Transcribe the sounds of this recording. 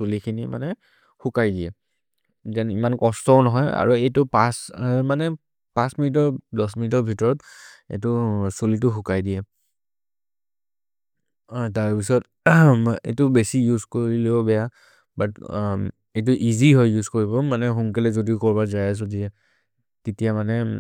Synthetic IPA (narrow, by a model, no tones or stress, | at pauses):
sulikʰinima̰nɛ | xukajdiɛ | zɛnimankɔstɔʊnɔɦɔja̰ɹuejtʊpasmanɛ | pãsminitɔɹdɔsminitɔɹbʱitɔɹɔtḛtʊsulit̬ʊxukajdijɛ | taɹpisɔt | ḛtʊbesijuzkoɹilebɔbɛja | bat | ejt̬ʊʔiziɦɔjjuzkoɹibɔmanɛɦuŋkɛlɛzodiʊkɔɹbazajas̬ɔdiɛ | ketijamanɛ